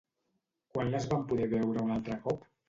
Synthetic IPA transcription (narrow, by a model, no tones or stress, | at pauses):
kwanləzβampuðɛβɛwɾəunalˠt̪ɾəkɔp